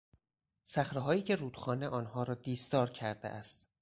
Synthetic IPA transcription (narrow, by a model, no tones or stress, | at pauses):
sæxɾeɦɒːjiːcʰe̞ɾuːd̪̥xɒːneʔɒːnɦɒːɾɒːd̪iːsd̪ɒːɾcʰæɾd̪eʔæst̪